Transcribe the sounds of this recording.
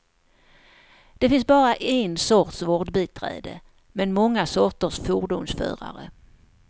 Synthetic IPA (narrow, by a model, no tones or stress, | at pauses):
d̪̥ɛfɪnsbɑːɾaʔensɔʈ̪svɔɖbiːt̪ʰɾɛ̰ːd̪ə̰ | mɛnmɔŋːasɔʈ̪ːəʂfuːɖʊmsfœ̰ːɾa̰ɾə